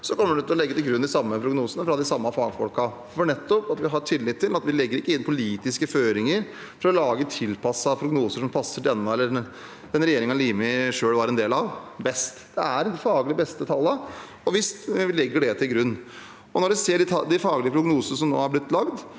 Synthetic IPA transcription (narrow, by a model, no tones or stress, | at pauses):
sɔkʰɔmːəɖɛʉt̪ʰːəlɔlɛɡːət̪ɪlɡɾʉnːd̪ɪsɑmːəpʰɾʊɡnuːsənəfɾɑd̪ɪsɑmːɑfɑːɡfɔlkɑ | fɔɳɛt̪ːɔpɑt̪ʋɪɦɑʈʰɪlːɪt̪ʰːɪlɑt̪ʋɪlɛɡːəɾɪkːəɪnːpʰʊliːt̪ɪskəføːɾɪŋəɾ | fɔɾɔlɑːɡət̪ʰɪlːpʰɑsːɑpʰɾʊɡnuːsəʂɔmpʰɑsːəɖ̪ɛnːəɛlːə | d̪ɛnɾɛjeːɾɪŋɑliːmɪʂøːɽʋɑɾɛnd̪eːlɑʋbɛst̪d̪̥ɛæɾd̪ɪfɑːɡlɪəbɛst̪ət̪ʰɑlːə | ɔʋɪst̪ʋɪlɛɡːəɖɛt̪ʰɪlɡɾʉnː | ɔnɔɖʋɪseːɖɪɑd̪ɪfɑːɡlɪəpʰɾʊɡnuːsənəʂɔmno̰ːæɾblɪt̪ːlɑɡd̪